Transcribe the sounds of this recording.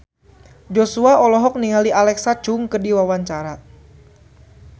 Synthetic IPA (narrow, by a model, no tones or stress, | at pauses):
d͡ʒɔsuaɔlɔɦɔk̚niŋaliʔalɛksat͡ʃʊŋkərdiwawaɲt͡ʃaɾa